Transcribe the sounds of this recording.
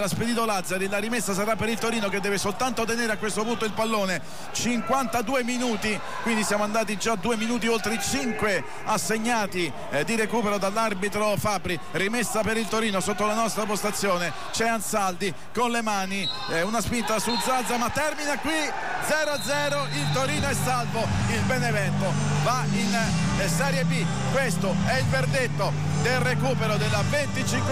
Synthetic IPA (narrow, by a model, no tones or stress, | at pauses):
lasped̪iːt̪olad̪zːaɾilaɾimesːasaɾapːeɾilt̪oɾiːnok̟ed̪ːɛːvesolt̪ant̪ot̪eneːɾeakːwest̪opunt̪oilpalːoːne | t͡ʃiŋkwant̪ad̪uːeminuːt̪i | kwind̪isjaːmoand̪aːt̪̬id͡ʒad̪uːeminuːt̪̬iolt̪ɾet͡ʃiŋkwe | asːeɲːaːt̪i | d̪iɾekuːpɛɾod̪alːarbit̪ɾofabːɾi | rimesːapeɾilt̪oɾiːnosot̪ːolanɔst̪ɾapost̪at̪sːjoːne | t͡ʃɛansald̪i | konlemaːni | unaspint̪asulzad̪zamat̪ːɛrminakːwi | d̪zɛːɾoad̪zɛːɾoilt̪oɾiːnoɛsːalvoilbɛnevɛnt̪o | vainsɛːɾjebi | kwest̪o | ɛilverd̪et̪ːo | d̪elrekuːpeɾod̪elːavent̪it͡ʃiŋk